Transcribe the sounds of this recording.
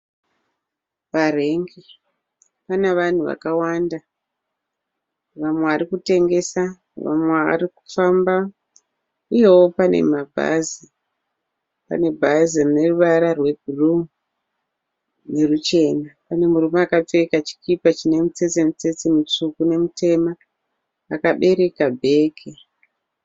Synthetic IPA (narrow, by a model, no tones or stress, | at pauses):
pare̞ŋɡi | pane̞ʋan̤uʋa̰kawanda | ʋamweʋaɾikute̞ŋɡe̞sa | ʋa̰mwea̰riku̥famba | uje̞wo̞pane̞̰mabʱa̰zi | pa̰ne̞bʱazirine̞ruʋaɾarwe̞bʱurumu | ne̞rut͡ʃe̞napane̞murumaːkap͡fekat͡ʃi̥kipat͡ʃine̞mut͡se̞t͡semut͡se̞t͡semut͡sukune̞mutʰe̞maː | kaɓe̞ɾe̞kabʱe̞ːkʰe